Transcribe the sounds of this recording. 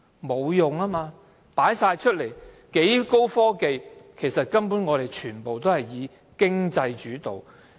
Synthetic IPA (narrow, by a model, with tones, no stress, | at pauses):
mo˨˧wjʊ˨ŋaː˥maː˧ | paː˨˥jsaː˧jt͡ʃʰɵ˥t̚le˨˩j | ke˨˥jko˥wfɔː˥ke˨˧jkʰe˨˩jsɐ˨t̚kɐ˥mpuː˨˥nŋɔː˨˧ɾe˨jt͡ʃʰyː˨˩npo˨wt̪o˥whɐ˨˩jiː˨˧ | kɪ˥ŋt͡sɐ˧jt͡ʃyː˨˥t̪o˨w